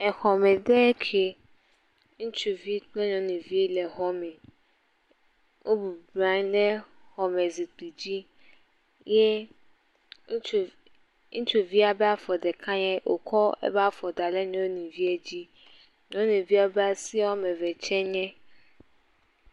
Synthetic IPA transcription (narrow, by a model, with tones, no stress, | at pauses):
ɛ˨xɔ˨mɛ̃˨dɛ˦kʰe˨ | ŋũ˦t͡ʃu˨vi˦k͡plɛ˦ɲɔ̃˨nũ˨vi˦lɛ˨ɦɔ˦mɛ̃˨ | wo˦bu˨blã˦ɲ˦dɛ˦xɔ˨mɛ˨zi˨k͡pu˨d͡ʑi˦ | jɛ˦˨ | ŋũ˦t͡ʃu˨vi˦a˨bɛ˦a˦fɔ˨dɛ˨kʰã˦ɲɛ̃˦ʔo˨kʰɔ˦ɛ̰˦ba˦fɔ˨da˨lɛ˦ɲɔ̃˨˦wo˦nĩ˨vi˦ɛ˦d͡ʑi˦ | ɲɔ̃˨˦nũ˨vi˦a˨bɛ˦a˨si˦ɔ˦mɛ̃˨vɛ˨t͡ʃʰɛ̃˦ɲɛ̃˦